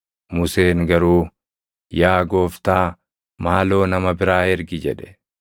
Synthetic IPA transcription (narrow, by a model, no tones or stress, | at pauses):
mʊseːŋɡɐɾuː | jaːɡo̞ːft̪aː | maːlo̞ːnɐmɐbɪɾaːhɛɾɡɪd͡ʒɛᶑɛ̥